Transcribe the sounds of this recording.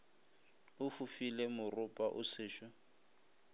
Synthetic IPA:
ʊfufilemʊrʊpʼaʔʊ̰sɪːʃɔ

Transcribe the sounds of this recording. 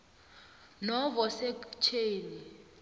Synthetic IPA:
nɔvɔsɛkt͡ʃʰeːni

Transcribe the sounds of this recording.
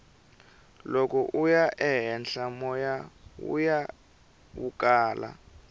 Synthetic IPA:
lokɔʔujaʔɛɦɛnɬamɔjawṵja | wuk̬ʼaːla̰

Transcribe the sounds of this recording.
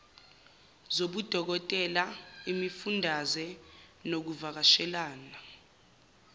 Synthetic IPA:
zoɓud̥ʱɔk̬ɔtʼɛlaimifundʱazɛnok̬uvak̬aʃɛlaːna

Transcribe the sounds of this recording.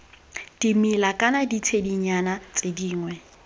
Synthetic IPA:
d̥imilakʼanadit͡sʰediɲanat͡sʼediːŋwɛ

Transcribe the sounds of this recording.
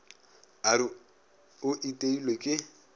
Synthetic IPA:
aɾɪ | ʊʔitʼeilwekʼɪ

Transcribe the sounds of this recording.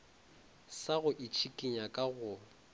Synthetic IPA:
saɣʊʔit͡ʃʰikʼiɲakʼaɣʊ

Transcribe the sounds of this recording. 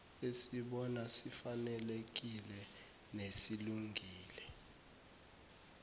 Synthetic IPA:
esiɓɔnasifanɛlek̬ilɛ | nesiluŋɡʱiːlɛ

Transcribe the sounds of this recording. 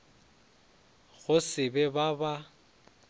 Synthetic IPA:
ɣʊsɪbɛbaba

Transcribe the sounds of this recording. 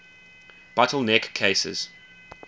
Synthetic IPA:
b̥atəl̩ˠnɛkʰːeɪsɪ̰z̥

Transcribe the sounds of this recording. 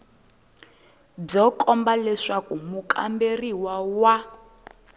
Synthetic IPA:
b͡ʐɔkʼɔmbalɛʂakumukʰʼa̰mberiwawa

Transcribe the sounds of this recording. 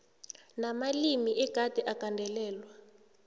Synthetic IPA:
namalimiʔɛɡ̥ʱad̥ʱɛʔakandʱɛlɛːlwa

